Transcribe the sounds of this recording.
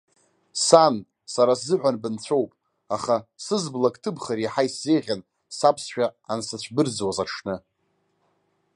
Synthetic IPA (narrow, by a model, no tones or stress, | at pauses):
san | saɾaszɨʕᶣʷanbɨnt͡ɕʷʰowpʼ | aχasɨzblakʼtʰɨbχaɾiħajszejʁʲan | sapʰsʃᶣaansat͡ɕʷʰbɨrd͡zwazaʈ͡ʂʰnɨ